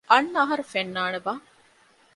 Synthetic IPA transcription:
ɐnːɐɦɐɾufenːaːnebaː

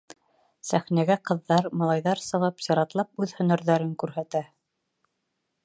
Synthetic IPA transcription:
sæχnæɡæqɤ̆ðːɑɾmɑlˠɑjðɑɾsɤ̆ʁɤpsɑ̆ɾɑt̪lˠɑp̚ʉðhɵ̆næɾðæɾɘŋkʉɾhæt̪æ

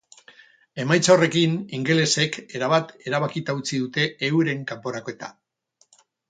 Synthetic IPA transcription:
e̞majt͡saore̞kiniŋɡe̞le̞se̞ke̞ɾaβat̪e̞ɾaβ̞akit̪aut͡siðut̪e̞ːwɾe̞ŋkampo̞ɾakoe̞t̪a̰

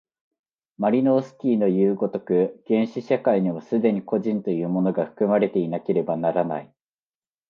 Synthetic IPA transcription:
maɾʲino̞ːsɨ̥kʲiːno̞jɯːɡo̞t̪o̞kɯ̟ɡ̥ẽ̞ɰ̃ɕiɕakaiɲ̟iβasɨd̪e̞ɲ̟iko̞ʑĩnt̪o̞jɯ̟ːmo̞no̞ɡaɸɯ̥kɯ̟maɾe̞t̪e̞inake̞ɾe̞banaɾana̰i

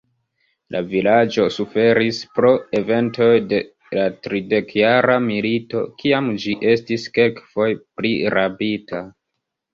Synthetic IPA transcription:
lʔa̰vilad͡ʒo̞sufe̞ɾispɾo̞e̞ve̞nto̞jde̞ | latɾide̞kjaɾamilito̞̰kʰiamd͡ʒiʔe̞stiske̞lkfo̞jpliɾabita

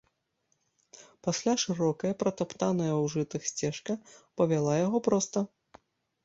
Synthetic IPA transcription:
pasʲlʲaʂɨɾɔkɐjɐpɾɐt̪apt̪anɐjɐwʐɨt̪ɨxsʲt͡sʲɛʂkɐpɐvʲalˠajaɣɔpɾɔst̪ɐ

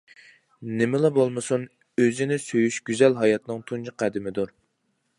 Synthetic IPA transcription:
nɪmɪlˠɑbolˠmɨsun | øzɪnɪsøjyʃɡ̥ʲyzɛlɦɑjɑt̪nɨŋt̪ʰund͡ʒɨqʰæd̪ɪmɪd̪uɾ

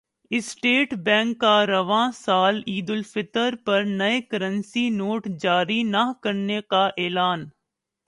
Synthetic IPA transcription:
ɪsʈeːʈbɛ̃ːŋkːaɾɐʋãːsaːliːd̪ʊlfɪt̪əɾpɐɾnɐekɐɾə̃nsinoːʈd͡ʒaːɾinɐkɐɾnekaʔɛːlaːn

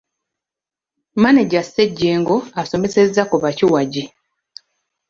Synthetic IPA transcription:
maneɟasːeɟːeːŋɡoaso̞me̞se̞zːakuβaciwaɟi

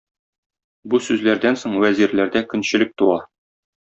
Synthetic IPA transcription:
busʉzlæɾd̪ænsoɴwæziɾlæɾd̪ækɵ̆nɕɘ̆lɘk̚t̪uɑ

